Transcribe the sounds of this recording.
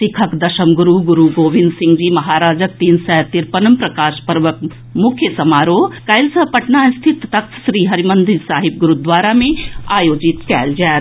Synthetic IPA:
sikʰɐkd̪ɐʃɐmɡuɾuɡuɾuɡoːʋĩnd̪sɪ̃ŋɡd͡ʒiːmɐɦaːɾaːd͡ʒək̚t̪iːnsɛːt̪iɾpɐnɐmpɾɐkaːʃpɐɾʋɐk̚ | mʊkʰjəsɐmaːɾoːkɐjlsɐpɐʈnaːst̪ʰit̪t̪ɐkʰʃɾiːɦɐɾimɐnd̪isaːɦib̚ɡuɾud̪ʋaːɾamẽaːjoːd͡ʒit̪kɛːld͡ʒaː

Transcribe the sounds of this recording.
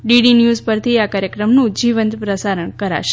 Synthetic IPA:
ɖiɖinjuzpəɾt̪ʰiakaɾjəkɾəmnũd͡ʒiʋənt̪pɾəsaɾəɳkəɾa̰ʃe

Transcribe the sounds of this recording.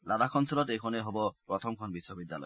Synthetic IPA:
ladakʰɔnsɔlɔtejkʰɔneɦɔbɔpɾɔt̪ʰɔmkʰɔnbisːɔbid̪ːalɔ̰j

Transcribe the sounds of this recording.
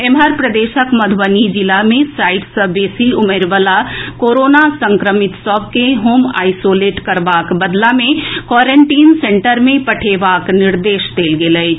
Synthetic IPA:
emɦəɾpɾəd̪eːʃəkmɐd̪ʱʋənid͡ʒɪlamẽsaːɪʈsəbeːsiʊmeːɾʋəlakoːɾoːnasə̃ŋkɾəmɪt̪sɔʋkeɦoːma̰ːɪsoːleːʈkɐɾbaːkbɐd̪lamẽkwɔːɾẽɳʈiːnsẽɳʈəɾmẽpɐʈʰeːʋaːknɪɾd̪eːʃd̪eːlɡeləe

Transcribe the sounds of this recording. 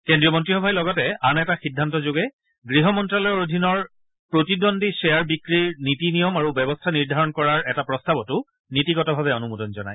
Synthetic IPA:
kendɹijɔmɔntɹixɔbʱajlɔɡɔtɛanɛtaxidʱːantɔzoɡɛ | ɡɹiɦɔmɔntɹalɔjɔɹodʱinɔɹ | pɹotidondisɛjaɹbikɹiɹnitinijɔmaɹubɛbɔstʰaniɹdʱaɹɔnkɔɹaɹɛtapɹɔstabɔtʊ | nitikɔtɔbʱabɛɔnumudɔnzɔna̰j

